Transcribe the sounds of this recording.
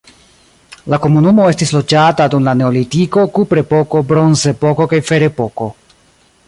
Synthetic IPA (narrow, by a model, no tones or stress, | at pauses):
lako̞munumo̞e̞stislo̞d͡ʒatadumlane̞olitiko̞kupɾe̞po̞ko̞bɾo̞nze̞po̞ko̞kajfe̞ɾe̞poko̞